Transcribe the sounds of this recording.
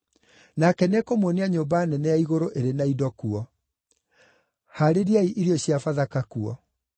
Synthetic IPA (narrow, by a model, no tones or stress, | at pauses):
nakɛnɛkomwoniaɲoːbanɛnɛjaiɣoɾoʔeɾenaidɔkuɔ | haɾeɾiaiʔiɾiɔɕiafaðakakuɔ